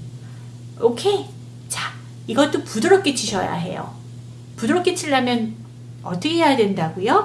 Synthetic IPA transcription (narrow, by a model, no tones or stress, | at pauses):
okʰe̞ | t͡ɕa | iɡʌt͈̚opudɯɾʌp̚k͈e̞t͡ɕ͈ʰiɕʰʌ̰ja̰ɦe̞̰jo̰ | pudoɾʌp̚k͈e̞t͡ɕʰiʎːamjʌn | ʌt͈ʌkʰeɦejadwendaɡujo